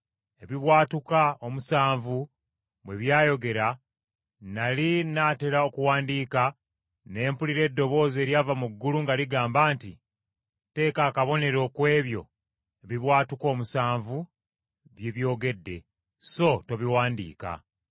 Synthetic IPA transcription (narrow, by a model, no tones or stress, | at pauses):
e̞βiβwaːtukao̞musaːɱvu | βwe̞βjaːjo̞ɡe̞ɾa | nalinaːte̞ɾao̞kuwaːndika | ne̞ːmpuliɾe̞ːdːo̞βo̞ːze̞ːɾjaːvamuɡːuluŋɡaliɡaːmbaːntḭ | te̞ːkakaβo̞ne̞ɾo̞ːkwe̞ːβjo̞̰ | eβiβwaːtuko̞ːmusaːɱvu | βjeβjo̞ːɡe̞dːe̞̰ | so̞to̞βiwaːndḭːka̰